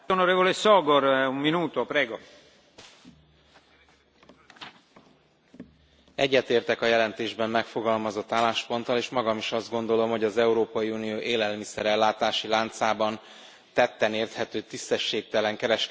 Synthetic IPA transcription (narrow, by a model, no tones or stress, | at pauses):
onoɾeːvolesɔːɡorumminuːt̪opɾɛːɡo | ɛɟːɛt̪eːrt̪ɛkɒjɛlɛnt̪eːʒbɛmːɛkfo̞ɡɒlmɒzo̞t̪ːaːlːaːʃpo̞nt̪ɒleːʃmɒɡɒmiʃɒzd̪ɡo̞nd̪o̞lo̞mɦoɟɒzɛuɾoːpɒjiuːnijoːʔeːlɛlmisɛɾɛlːaːt̪aːʃilaːnt̪saːbɒn | t̪ɛt̪ːɛneːrt̪hɛt̪øːt̪ist̪ɛʃːeːk̚t̪ɛlɛŋkɛɾɛʃk